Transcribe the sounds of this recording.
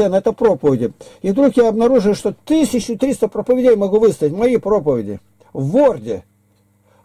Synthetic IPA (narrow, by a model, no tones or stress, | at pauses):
ɛnɛt̪əpɾopəvʲɪdʲɪɪvd̪ɾukjaɐbnɐɾuʐɨjʊʂt̪ot̪ɨsʲɪt͡ɕːʊt̪ɾʲist̪əpɾəpəvʲɪdʲejmɐɡuvɨst̪əɪtʲmɐjipɾo̞pəvʲɪdʲɪ̰ | vːordʲɪ